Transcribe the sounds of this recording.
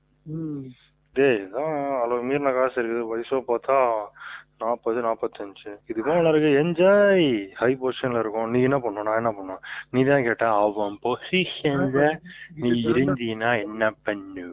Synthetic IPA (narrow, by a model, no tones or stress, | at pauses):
d̪eːt̪ãːɐloːmiːɾnãkaːɐsɐɪɾɯkːɯðɯʋɐjsõːpoːt̪ãː | naːpɐt̪ːɯnaːpɐt̪ːɯɐnt͡ʃɯɪðɯmãːɐnɐɾɯkːɯɛɲd͡ʒaːjhɐɪp̬oːʂɐnɪlɐɪɾɯkːʊ̃nĩːɛnːɐpɐɳːõːnãːɛnːɐpɐɳːõːniːt̪ãːkeːʈːãːɐʋɐ̃poːsiʃɐndɐniːɪɾɯɲd͡ʒinãːɛnːɐpɐnːɯ